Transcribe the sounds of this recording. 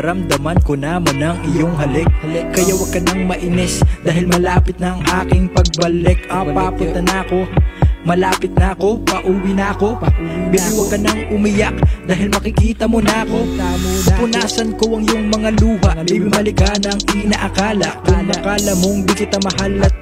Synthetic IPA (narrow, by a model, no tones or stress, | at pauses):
ɾɐmd̪ɐmɐnkonɐmonɐŋɪjoŋɦɐlɛk̚kɐjawɐɡ̚kɐnɐŋmɐʔɪnɛsd̪aːhɪlmɐlaːpɪt̪̚nɐŋʔaːkɪŋpɐɡ̚bɐlɛkɐpapʊnt̪ɐnɐɐko̞mɐlaːpɪt̪̚nɐʔɐko̞pɐʔuːwinɐɐko̞bibiwɐɡkːɐnɐŋʊmɪjak̚d̪aːɦɪlmɐkɪkiːt̪ɐmonɐʔɐko̞ | pʊnaːsɐnkoʔɐŋjoŋmɐŋaluːhɐibmɐlɪkanɐŋɪnɐʔɐkaːlɐkɐmɐkalɐmoŋbɪkɪt̪ɐmɐhalɐt̪̚